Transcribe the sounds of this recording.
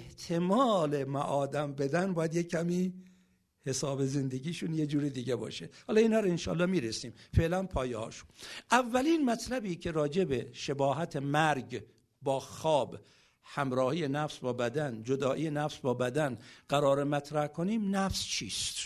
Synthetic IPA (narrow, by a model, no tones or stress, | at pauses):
eht̪ʰemɒːlemæʔɒːd̪æmbe̞d̪ænbɒːjæd̪jekʰːæmiː | he̞sɒːbeze̞nd̪eɡiːʃunjed͡ʒuːɾid̪iːɟebɒ̰ːʃehɒːlɒːiːnɒːɾoenʃɒ̰ːlːɒːmiːɾesiːmfe̞ʔlænpʰɒːjehɒ̰ːʃu̥nʔævːæliːnmæt̪ʰlæbiːkʰe̞ɾɒːd͡ʒe̞beʃebɒːɦæt̪ʰemæɾɡ | bɒːxɒːb | hæmɾɒːhiːje̞næfsbɒːbæd̪ænd͡ʒod̪ɒːʔiːjenæfsbɒːbæd̪ænɡ̥æɾɒːɾemæt̪ʰɾæhkʰoniːmnæfst͡ʃʰiːst̪